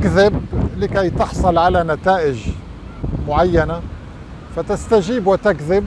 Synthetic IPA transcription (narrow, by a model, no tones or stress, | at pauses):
kðɪblɪkæjt̪ɑħsˤʊlʕalanat̪aːʔɪʒ | mʊʕajːana | fat̪ɪst̪aʒiːbwɪt̪akðɪb̚